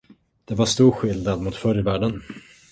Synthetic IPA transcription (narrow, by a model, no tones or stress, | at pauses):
d̪̥ɛvaʂt̪uːɾɧɪld̪nad̪mʊt̪fœɾjvæːɖən